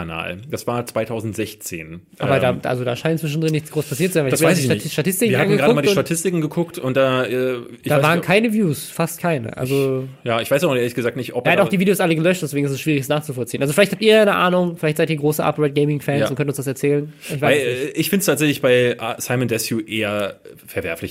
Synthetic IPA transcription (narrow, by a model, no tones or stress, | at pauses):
ana̰ːld̥asv̥aːɐt͡sv̥aɪtʰaʊzn̩tz̥ɛçt͡sḛːnʔa̰ːbɐdaːda̰lzoda̰ːʃaɪnənt͡sv̥ɪʃn̩dʁɪnːɪçt͡sɡ̥ʁoːspʰasiːɐtt͡suzanvaɪasbvaɪsɪʃtatʰɪstɪkŋvːɐhannɡɡadəmadiitatʰɪstɪkŋ̩ɡəkʰʊktʊnt̚d̥aːɛː | ʔɪdaːvaːʁənkʰaɪnəvjuːsfast̚kʰaɪnə̰ʔa̰lzojaːɪçvaɪsaʊʔeːɐlɪçɡ̥əzaːk̚tnɪçtʔɔp̚ɛataʊd̥iːviːdejoːsʔaləɡəlœʃt̚d̥ɛsv̥eːɡŋ̩ɪstɛsʃv̥iːʁ̞ɪçsnaːχt͡sufɔlt͡siːnʔalzoflaçthaptiːɐjanəʔaːnʊŋfɪlaɪçtz̥aɪtiɐɡʁoːsəʔa̰pʁɛt̚ɡɛɪmɪŋfɛːnsʊntkʰœntʊnsd̥as̬ɛɐt͡sɛːlənɪçv̥aaɪsɪɪçfɪntəstʰaːtz̥ɛçlɪçb̥aɪsaɪməndɛsjuʔeːɐfɛɐvɛ̰ɐflɪ̰ç